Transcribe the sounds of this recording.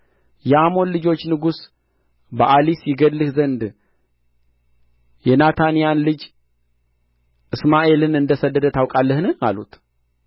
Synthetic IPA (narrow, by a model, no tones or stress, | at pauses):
jɛamo̞nlɨd͡ʒo̞t͡ʃːnɨɡus | bəʔalisjɪɡədlɨhzənd̪ | jɛnat̪ʰanijanlɨd͡ʒ | ʔɨsmaʔe̞lɨnɨnd̪əsəd̪ːəd̪ət̪ʰawkʼalːəhnɨna̰lṵt̪